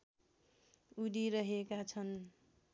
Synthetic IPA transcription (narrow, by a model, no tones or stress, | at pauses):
udiɾʌɦekat͡sʰʌn